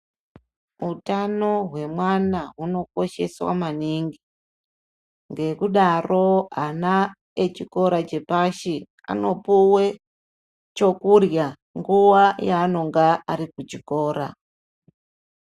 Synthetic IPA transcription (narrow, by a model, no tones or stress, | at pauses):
utano̞ɦwe̞mwanaɦuno̞ko̞ʃe̞̰swa̰maniŋɡi | ŋɡe̞kuɗaro̞ana | et͡ʃiko̞ɾat͡ʃe̞paʃi | a̰no̞puwe | t͡ʃo̞kurja | ŋɡuwajaːno̞ŋɡaːɾikut͡ʃiko̞ːɾa̰